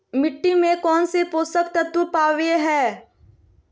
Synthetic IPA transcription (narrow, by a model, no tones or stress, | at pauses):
mɪʈːimẽkɔːnsepoːsəkt̪ɐt̪wupaːʋeɦɛ̃ː